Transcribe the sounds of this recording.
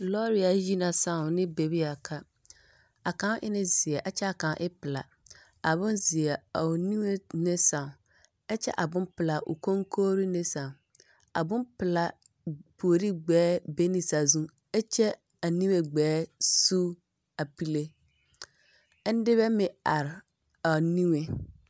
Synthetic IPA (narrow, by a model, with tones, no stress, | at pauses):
lɔ˦ɾi˨a˨˦ji˦nã˨sã˨nɪ̃˦be˨bi˦a˨kʰa˦ | a˨kã˨˦ʔɪ̰˦nɪ̃˦zɪ˨ɛ˨ʔa˨t͡ɕʰɛ˦a˨kã˨˦ʔɪ˦pɪ˨la̰˨ | a˨bʊ̃˦nzɪ˨ɛ˨a˨ʊ˨nĩ˦me˦nɪ̃˦sã˨ | ɛ˦t͡ɕʰɛ̰˦ʔa˨bʊ̃˦mpɪ˨la˨ʔʊ̰˨kʰõ˦ŋkʰoː˦ɾi˦nɪ̃˦sã˨ | a̰˨bʊ̃˦mpɪ˨la˨ | pʰo˨o˨ɾi˦ɡ͡bɛː˨˦be˦ni˨sa˨zũ˦ | ɛ˦t͡ʃɛ˦ | a˨nĩ˦we˦ɡ͡bɛː˨˦su˦ | a˨pi˦le˦ | n̩˦dɪ˦βɛ˦mɪ̃˨a˨ɾɪ˨ | a˨nĩ˦ŋe˨